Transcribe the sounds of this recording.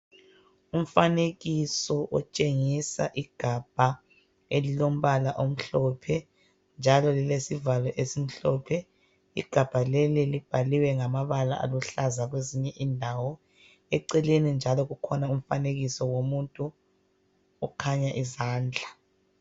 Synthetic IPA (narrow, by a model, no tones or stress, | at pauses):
um̩faneɣisɔʔɔt͡ʃʼeŋisa̰ʔiɡ̥ʱab̥ʱa | elilom̩βalaʔom̩ɬɔpʰɛ | nd͡ʒʱalɔlilesivalɔʔesim̩ɬɔpʰɛ | ḭɡ̥ʱab̥ʱalelilib̥ʱaliwɛŋamaβala̰ʔa̰luɬazaɣweziɲɛʔiːndʱawɔ | ɛǀɛlenind͡ʒʱalɔɣukʰɔnaum̩faneɣisɔwomuntʼu | ɔkʰaɲaʔizaːnd͡ɮʱa